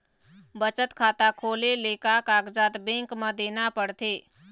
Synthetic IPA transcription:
bət͡ʃət̪kʰaːt̪akʰoːleleːkakaːɡd͡ʒaːt̪bẽŋkmə̃d̪eːnapəɽt̪ʰeː

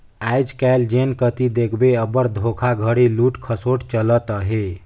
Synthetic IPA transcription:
ajd͡ʒkɛɪld͡ʒenkət̪id̪ekʰbeəbəɽd̪ʱokʰaɡʱəɽiluːʈkʰəsoʈt͡ʃələt̪əɦe

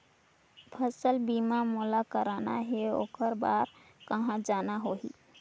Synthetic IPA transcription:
pʰəsəlbimamɔlakəɾanaɦeo̰kəɾbaɾkəɦãd͡ʒanaɦoɦḭ

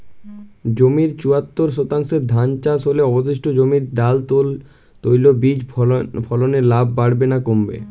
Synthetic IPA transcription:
d͡ʑomiɾt͡ɕuat̪ːoɾʃot̪aŋʃeɾd̪ʱant͡ɕasɦoleɔbod̪eʃʈod͡ʑomiɾɖalt̪ol | t̪ojlobid͡ʑpʰɔloneɾlabʱːaɽbenakombḛ

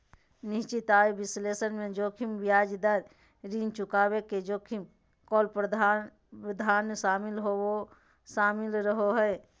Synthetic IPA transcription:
nɪt͡ʃit̪aːebɪsleːsənmẽd͡ʒoːkʰimbijaːd͡ʒd̪aɾ | ɾint͡ʃʊkaːbeked͡ʒoːkʰim | koːlpɾəd̪ʱa | pəd̪ʱaːnʃaːmɪlɦoo | ʃaːmɪlɾəɦoɦəe

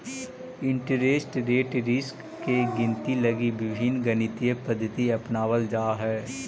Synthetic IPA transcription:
ɪ̃ɳʈəɾeːsʈɾeːʈɾɪskːeɡɪ̃nt̪iləɡibɪbʱinɡənɪt̪ijəpəd̪ʱːət̪iɐpnaːwəld͡ʒaːɦɛː

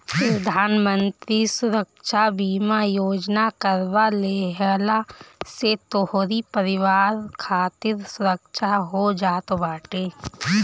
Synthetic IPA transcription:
pɾɐd̪ʱaːnmə̃nt̪ɾisʊɾəkʃabiːmajoːd͡ʒnakəɾʋaleːɦəlaset̪oɦoɾipəɾɪʋaːɾkʰaːt̪ɪɾsʊɾəkʃaɦod͡ʒaːt̪obaːʈeː

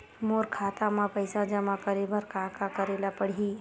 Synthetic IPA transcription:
moːɾkʰaːt̪ãmãpɐɪsãd͡ʒɐmãkəɾebəɾkʰaːkakəɾeːlapəɽ̤i

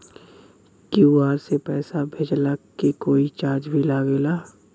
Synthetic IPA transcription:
kiuaːɾsepɛːsabʱeːd͡ʒlakekoːit͡ʃaːɾd͡ʒbʱilaːɡeːlaː

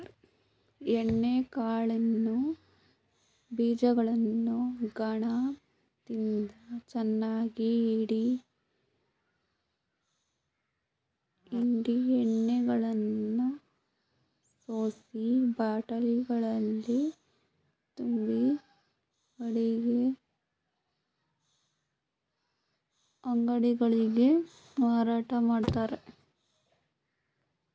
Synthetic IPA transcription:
eɳːekaːɭɐnːu | biːd͡ʒɐɡɐɭɐnːuɡɐɳa | t̪ind̪ɐt͡ʃɛnːaːɡiːɽi | iɳɖieɳːɛɡɐɭɐnːu | soːsibaːʈɐliɡɐɭɐlːi | t̪umbi | ɐɽiɡe | ɐŋɡɐɽiɡɐɭiɡe̞ | maːɾaːʈɐmaːɖt̪aːɾe

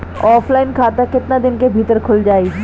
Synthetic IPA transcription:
ɔːpʰlaːɪnkʰaːt̪akɪt̪nad̪ɪnkebʱit̪əɾkʰʊld͡ʒaːi

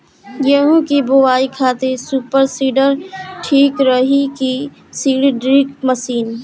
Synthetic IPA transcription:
jeɦũkiboʋaːikʰaːt̪esuːpəɾsiːɖəɾʈʰiːkɾəɦiki | siːɽɖɾɪkməsiːn

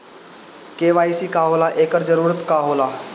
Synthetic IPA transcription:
keʋaːisiːkaɦoːlaʔeːkəɾd͡zəɾuːɾət̪kaɦoːla

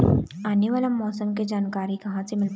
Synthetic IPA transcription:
aːneʋaːlamɔːsəmk̬ed͡ʒaːnkaːɾikɐɦãsemɪl

